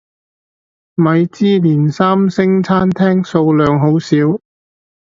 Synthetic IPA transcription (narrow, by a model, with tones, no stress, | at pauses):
mɐ˨˧jt͡siː˥liː˨˩nsaː˥msɪ˥ŋt͡sʰaː˥nt̪ʰɛː˥ŋso˧wlœː˨ŋɦo˨˥wsiː˨˥w